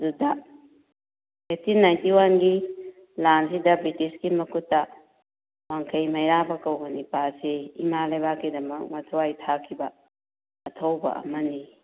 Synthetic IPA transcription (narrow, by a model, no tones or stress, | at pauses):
duda | etinajntiwanɡi | lansidɐbɾitisɡimɐkʰutːɐ | waŋkʰɐjmɐjɾabɐkɐwbɐnipaseimalajbakːidɐmɐk̚matʰuwajtʰakʰːibɐː | tʰowbɐ̰ʔɐ̰mɐni